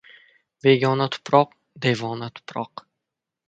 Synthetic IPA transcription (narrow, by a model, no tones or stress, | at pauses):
beɡʲɒnat̪ʰʊ̥pʰɾɒq | d̪e̞vɒnat̪ʰʊ̥pʰɾɒq